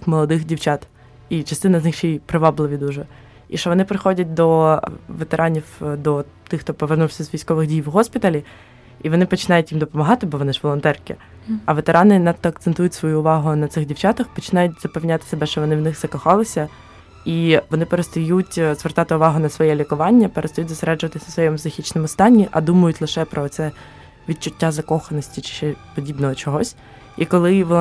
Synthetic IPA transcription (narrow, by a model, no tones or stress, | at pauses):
xmɔlˠɐd̪ɪxdʲiwt͡ʃɑt̪ | it͡ʃɐst̪ɪnɐznɪxt͡ʃɛjpɾɪʋɑblˠɪʋʲid̪uʒɛ | iʃt͡ʃɔʋɔnɪpɾɪxɔdʲɐt̚ʲd̪ɔʋet̪eɾʔɑnʲiwd̪ɔ | t̪ɪxt̪ɔpɔʋernuwsʲɐzʋʲijsʲkɔʋɪɣdʲijwɦɔspʲit̪ɐlʲi | iʋɔnɪpɔt͡ʃɪnɑjʊtʲjimd̪ɔpɔmɐɦɑt̪ɪbɔʋɔnɪʒʋɔlˠɔnt̪ɛrkɪ | ɐʋet̪eɾʔɑnɪnɑt̪t̪ːɔɐk̚t̪ent̪ujʊtʲsʋɔjuːʋɑɦʊnɐt̪sɪxdʲiwt͡ʃɑt̪ɐxpɔt͡ʃɪnɑjʊtʲzɐpɛʋwnʲaɑt̪ɪ̥sebɛʃt͡ʃɔʋɔnɪwnɪxz̥ɐkɔxɑlˠɪsʲɐ | iʋɔnɪpeɾest̪ɔjutʲzʋert̪ɑt̪ɪʊʋɑɦʊnɐsʋɔjɛlʲikʊʋɑnʲːɐpeɾest̪ɔjutʲzseɾɛd͡ʒʊʋɐt̪ɪsʲɐsʋɔjɛmzɐxʲit͡ʃnɪmɔst̪ɑnʲːiʔɐd̪umɐjʊtʲlˠɪʃɛpɾɔt̪sɛ | ʋʲit̪̚t͡ʃʊtʲːazɐkɔxɐnɔsʲtʲit͡ʃɪ̥ʃɛpɔdʲibnɔɦɔt͡ʃɔɦɔsʲ | ikɔlˠɪʋɔ